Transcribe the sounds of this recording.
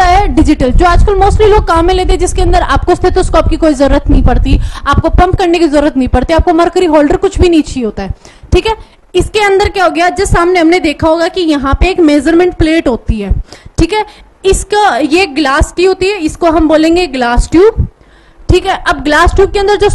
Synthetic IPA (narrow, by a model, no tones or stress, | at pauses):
aɦɛɖɪd͡ʒɪʈəld͡ʒoːaːd͡ʒkəlmoːsʈliloːɡ̚kaːmːẽleːt̪ed͡ʒɪskeɐ̃nd̪əɾa̰ːp̚kost̪ʰet̪oskɔːp̚kikoːizɐɾuːɾət̪nɐɦĩpɐɽt̪iaːp̚kopɐ̃mpkɐɾnekizɐɾuːɾət̪nɐɦĩpɐɽt̪iaːp̚komɐɾkəɾiɦɔːlɖəɾkʊt͡ʃʰbʱinɐĩt͡ʃʰiɦoːt̪aɦɛː | ʈʰiːkɦɛː | ɪskeɐ̃nd̪əɾkjaɦoːɡɐjad͡ʒɐsaːmneɦɐmned̪eːkʰaɦoːɡakijɐɦãpeːkmeːd͡ʒəɾmẽɳʈ̚pleːʈɦoːt̪iɦɛːʈʰiːkɦɛː | ɪskajeɡlaːskiɦoːt̪iɦɛɪskoɦɐmboːlẽːŋɡeɡlaːsʈjuː | ʈʰiːkɦɛːʔɐbɡlaːsʈjuːkeɐ̃nd̪əɾd͡ʒoː